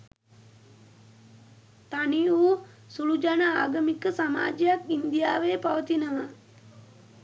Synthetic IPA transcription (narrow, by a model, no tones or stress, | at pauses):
t̪aniuː | sulud͡ʒanəaːɡəmikəsama̰ːd͡ʒəjakind̪ijaːʋeːpaʋət̪inəʋa